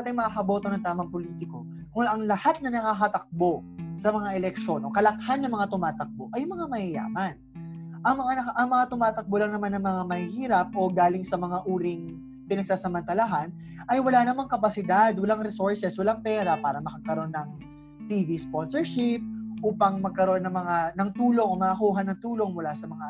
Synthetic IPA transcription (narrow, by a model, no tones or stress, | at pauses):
ɐt̪ɐjmɐkakɐbo̞ːt̪o̞nɐŋt̪aːmɐŋpoliːt̪ɪko̞ | kʊŋʔɐŋlɐhat̪̚nɐnɐkakɐt̪ɐk̚bo̞sɐmɐŋaʔɛlɛk̚ʃo̞nʔo̞kɐlɐkhanːɐŋmɐŋat̪ʊmaːt̪ɐk̚bo̞ʔɐjʊŋmɐŋamɐhɪja̰ːmɐn | ʔɐŋmɐŋanɐkʔɐŋmɐŋat̪ʊmaːt̪ɐk̚bolɐŋnɐmanːɐŋmɐŋamɐhihiːɾɐp̚ʔo̞ɡaːlɪŋsɐmɐŋaʔuːɾɪŋ | pɪnɐɡ̚saːsɐmɐnt̪ɐlaɦan | ʔɐjwɐlanɐmaŋkɐpɐsɪd̪ad̪wɐlaŋɾɛsoɹsɛswɐlaŋpɛːɾɐpaːɾɐmɐkɐɡ̚kɐɾo̞nːɐŋ | t̪iːvispo̞nsɛɹʃɪp̚ʔuːpɐŋmɐɡ̚kɐɾo̞nːɐŋmɐŋanɐŋt̪uːlo̞ŋomɐʔːkuːɦɐnːɐŋt̪uːlo̞ŋmʊlasɐmɐŋa